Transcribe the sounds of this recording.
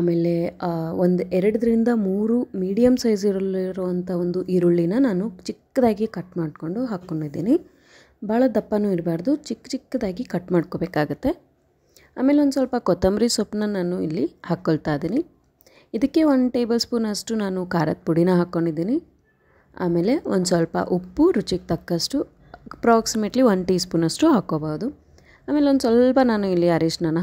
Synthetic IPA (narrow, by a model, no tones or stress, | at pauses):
aːmeːle̞ond̪uʔɛɾɐɽɐd̪ɾind̪ɐmuːɾumiːɽijɐmsɐjziɾuiɾɔʋɐnt̪ʰɐond̪uʔiɾuɭːinɐnaːnut͡ʃikːɐd̪aːɡikɐʈmaːɽ̚ko̞ɳɖuɦaːkːo̞ɳɖid̪ːḭːni | bʱaːɭɐd̪ɐpːɐnuːiɾbaːɾd̪ut͡ʃikːt͡ʃikːɐd̪aːɡikɐʈːmaːɖkoːbeːkaːɡut̪ːe̞ | a̰ːme̞ːleond̪sɐlpɐkɔt̪ɐmɾisopnɐnaːnuḭlːihaːkːoɭt̪aːjd̪iːni | id̪ɐkːe̞ond̪ʈeːbɐlspuːnɐsʈunaːnukaːɾɐ̰t̪̚puɽinɐɦaːkːo̞ɳɖid̪ːiːni | a̰ːme̞ːle̞ond̪usɐlpɐ̰ʔupːuɾut͡ʃik̚t̪ɐkːɐʂʈu | pɾaːksimeːʈliond̪ʈiːspuːnɐʂʈuɦaːkoːbaːʋud̪u | aːmeːleond̪sʋɐlpɐnaːnuilːiɐɾiːʂnɐnɐ